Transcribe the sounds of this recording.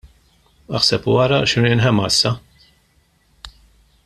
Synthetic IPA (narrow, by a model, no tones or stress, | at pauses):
ɐħsɛpwɐɾɐʃɪnɾiʔnħɛmːɐɪsːɐ